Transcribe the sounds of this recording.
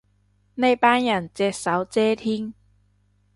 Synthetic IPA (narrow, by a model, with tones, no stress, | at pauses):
ne˥˧jpaː˥njɐ˨˩nt͡sɛː˧k̚sɐ˨˥wt͡sɛː˥t̪ʰiː˥ŋ